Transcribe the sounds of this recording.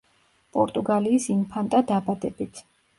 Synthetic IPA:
pʼɔɾt̪ʼuɡaliːsimpʰant̪ʼad̪abad̪ɛbit̪ʰ

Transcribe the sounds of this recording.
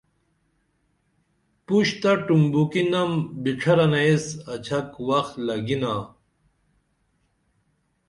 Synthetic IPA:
puɕt̪ɐʈumbukinɐmbiʈ͡ʂʰɐɾɐnɐesɐt͡ɕʰɐkwɐxlɐɡinaː

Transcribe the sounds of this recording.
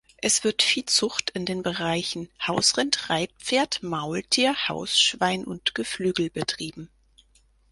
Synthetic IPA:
ʔɛsv̥ɪɐtfiːlt͡sʊχtɪndeːnbəʁaɪçn̩haʊsʁɪntʁaɪt̚pp͡feːɐtmaʊltʰiːɐha̰ʊsʃv̥aɪnʔʊntɡ̥əflyːɡl̩bətʁ̥iːbm̩

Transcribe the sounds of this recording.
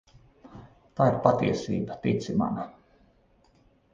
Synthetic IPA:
t̪aːiɾpat̪iɛsḭːbat̪it̪sima̰na

